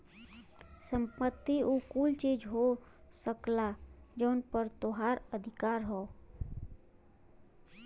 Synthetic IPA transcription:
sə̃mpət̪ːiukuːlt͡ʃiːd͡ʒɦosəklad͡ʒəʊnpəɾt̪oɦaːɾəd̪ʱɪkaːɾɦoː

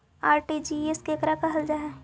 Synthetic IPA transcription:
aːɾʈid͡ʒieskekɾakaɦɐld͡ʒaɦɛː

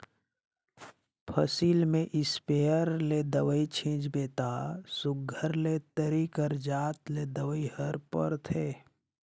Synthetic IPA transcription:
pʰəsiːlmẽʔɪspeːəɾled̪əwəit͡ʃʰĩːd͡ʒbeːt̪asʊɡʱːəɾlet̪əɾikəɾd͡ʒaːt̪led̪əwəihəɾpə̰ɾt̪ʰeː

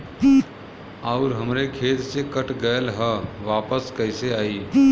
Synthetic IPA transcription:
ɔːɾɦəmɾekʰeːt̪sekəʈʰɡəjlɦəʋaːpəskəɦɪseaːiː

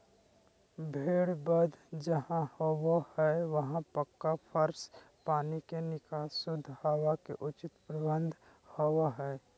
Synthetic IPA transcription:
bʱeːɽbəd̪ʱd͡ʒəɦãhowahɛʋɐɦãpəkːapʰəɾs | paːnikenɪkasʊd̪ʱːhawakeʔʊt͡ʃɪt̪pɾəbə̃nd̪ʱ | hɔwaɦɛː

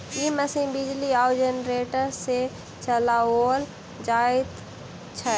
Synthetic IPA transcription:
iːməsĩbɪd͡ʒliaːwd͡ʒenɾeːʈəɾse | t͡ʃəlaoːl | d͡ʒaːɪt̪ | t͡ʃʰə

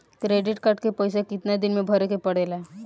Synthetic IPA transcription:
kɾeɖiʈkaʈkepəjsakit̪nad̪inmebʱəɾekepəɽ̤ela

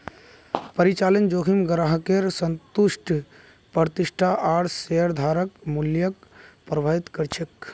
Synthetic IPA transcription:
pəɾit͡ʃalənd͡ʒokʰimɡɾəɦəkeɾsənt̪uʃʈʰ | pəɾt̪iʃʈʰaʔaɽseəɾd̪ʱaɾəkmuljəkpɾəbʱaɦit̪kəɾt͡ʃʰek

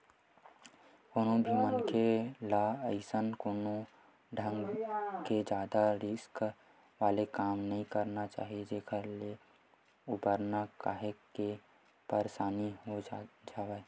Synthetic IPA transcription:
koːnõbʱimənkʰelaəɪsənkoːno | ɖʱə̃ŋɡked͡ʒaːd̪aɾɪsk | ʋaːlekaːmnəɦĩkəɾnat͡ʃa̰ːɦied͡ʒeːkʰəɾle | ʊbəɾnaka̰ːɦeke | pəɾsaːniɦod͡ʒaːʋɛː

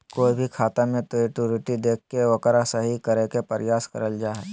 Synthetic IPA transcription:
koːibʱikʰaːt̪amẽt̪oiʈuɾɪʈid̪eːkʰːeʋɐkɾasɐɦikɐɾekepɐɾɪjaːskɐɾəld͡ʒaːɦɛː

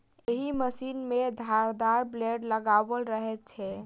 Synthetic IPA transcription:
eɦiməsinmed̪ʱaɾd̪aɾbleɖləɡabəlɾəɦɛt̪t͡ʃʰɛ

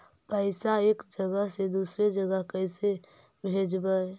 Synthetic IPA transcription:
pəɪsaeːkd͡ʒəɡəɦsed̪uːsɾed͡ʒəɡəɦkəɪse | bʱed͡ʒbə

